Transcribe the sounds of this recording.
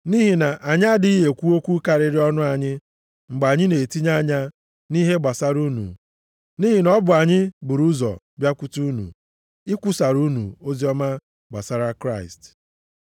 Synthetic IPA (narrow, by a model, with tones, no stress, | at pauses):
ni˦ɦi˨na˨ʔa˨ɲɪ˦a˦dɪ˦i˦ɦe˨kʷu˦o˦kʷu˦ka˨ɾɪ˦ɾɪ˦ɔ˦nʊ˦a˨ɲɪ˦ | ŋ͡m̩˨ɡ͡ba˨ɲɪ˦ne˨ti˦ɲa˦ɲa˦ | ni˦ɦe˦ɡ͡ba˨sa˦ɾu˦nṵ˨ | niː˦ɦi˨nɔ˦bʊ˨a˨ɲɪ˦bʊ˨ɾu˦zɔ̰˨ | bja˦kʷu˦tu˦nṵ˨ | ɪ˦kʷʊ˦sa˨ɾu˦nṵ˨o˦zi˦ɔ˦ma˦ | ɡ͡ba̰˨sa˦ɾa˦kɾa˦˨ɪ̰˨st